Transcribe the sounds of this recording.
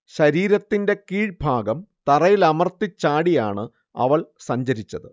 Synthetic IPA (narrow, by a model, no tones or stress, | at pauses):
ɕɐɾiːɾɐt̪ːinde̞kiːɻbʱaːɡɐmt̪ɐrɐjilɐmɐrt̪it͡ɕːaːɽijaːɳɨ | ɐ̰ʋɐɭsɐɲd͡ʑɐɾit͡ɕːɐðɨ